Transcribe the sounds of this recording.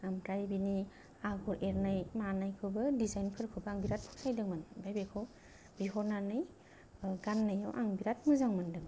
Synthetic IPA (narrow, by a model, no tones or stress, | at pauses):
amtɾajbini | aɡɔɾʔeɾnajmanajkʰɯbɯdizajnkʰɯɾkʰɯwbaaŋbiɾat̚pʰu̥k̚sajdɯŋmanbajbekʰɔ | biɦɔɾnanɯj | ɡanːɯjawʔaŋbiɾat̚muzaŋmandɯŋ